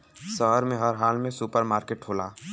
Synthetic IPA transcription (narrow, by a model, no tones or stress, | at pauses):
səɦəɾmẽɦəɾɦaːlmẽsupəɾmaːɾkeːʈɦoːlaː